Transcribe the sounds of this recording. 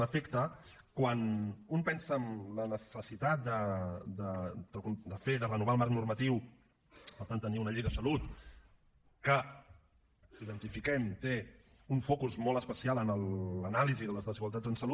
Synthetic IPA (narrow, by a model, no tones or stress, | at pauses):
əfɛkt̪ə | kwanumpɛnsəːmlənəsəsit̪at̪̚d̪əd̪əəkund̪əfeðərənuβ̞aəlˠmaɾknurmət̪iw | pəɾt̪ant̪ːəniunəʎejðəsəlut̪ | kə | iðənt̪ifikɛmt̪e | uɱfɔkuzmɔlˠəspəsialənələnaliziðələzðəziɣwalˠt̪ad͡zənsəlu